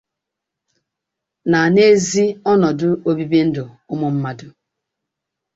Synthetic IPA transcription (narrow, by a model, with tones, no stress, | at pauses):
na˨a˨ne˦zi˦ɔ˦nɔ˨dʊ˦o˦bi˦be˦n̩˦dʊ˨ | ʊ˦mɔ˦m̩˦ma˦dʊ˦